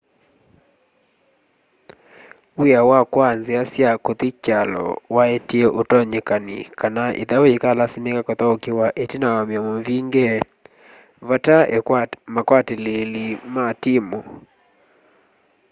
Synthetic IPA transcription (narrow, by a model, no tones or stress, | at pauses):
wijawakwanzeasjakoðikalɔ̰waetiɛʔotɔɲekanḭkanaʔḭðawoekalasimekakɔtaokiwaʔetinawamjɔmoviŋɡɛ | vatamakwatelelimatimo